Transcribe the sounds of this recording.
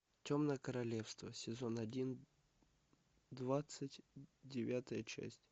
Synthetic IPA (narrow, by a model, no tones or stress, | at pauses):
tʲomnəjəkəɾɐlʲefst̪vəsʲɪzonɐdʲin | d̪vat̪sɨtʲdʲɪvʲat̪əjət͡ɕæ̰sʲtʲ